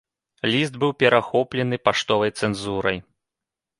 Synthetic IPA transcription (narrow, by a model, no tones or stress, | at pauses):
lʲist̪bɨwpʲɛɾaxɔplʲɛnɨpaʂt̪ɔvɐjt̪sɛnzuɾɐj